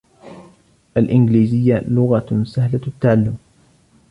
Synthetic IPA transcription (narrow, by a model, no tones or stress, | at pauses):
ʔalʔɪnɡliːzɪjːalʊɣasahlat̪ːaʕalːʊm